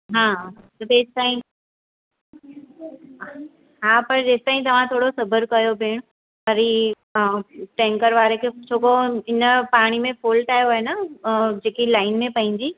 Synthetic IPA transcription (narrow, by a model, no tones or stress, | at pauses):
ɦãːt̪ɐbeːst̪aːĩ | ɦãːpɐɾd͡ʑeːst̪aːĩt̪ɐʋ̤ãt̪ʰoːɽosɐbəɾkɐjobʱeːɽ̃ | pɐɾi | ʈɛ̃ːŋkəɾʋaːɾekʰet͡ɕʰoːkoɪnəpaːɽ̃imẽfoːlʈaːjoaːɦenad͡ʑeːkilaːɪnmẽpɐ̃ɦɪ̃ɲd͡ʑiː